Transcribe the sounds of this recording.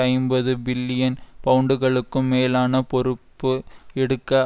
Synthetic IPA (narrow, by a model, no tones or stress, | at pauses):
ɐɪmbɐðɯbɪlːɪjɐnpɐɯɳɖɯɣɐɭɯkːɯmːeːlaːnɐpɔɾɯpːɯɛɽɯkːɐ